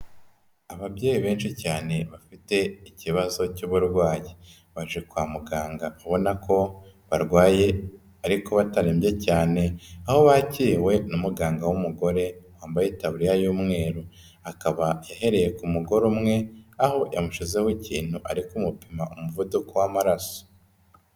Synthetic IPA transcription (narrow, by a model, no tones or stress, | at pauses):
aβabjeːjiβe̞ːnʃicaːne̞βafite̞iciβazo̞cuβuɾɡwaːje | βaʒikwaːmuɡaːŋɡaaβo̞nako̞βaɾɡwaːje̞ | aɾiko̞βataɾimbje̞caːne̞aho̞βaciːwe̞numuɡaːŋɡawumuɡo̞ɾe̞waːmbajitaβuɾijajuːmŋe̞ːɾu | akaβajaɦe̞ɾe̞je̞kumuɡo̞ɾumŋe̞aho̞jamuʃize̞hoiciːn̥huʔaɾikumupimaʔumuvudukowamaɾaso̥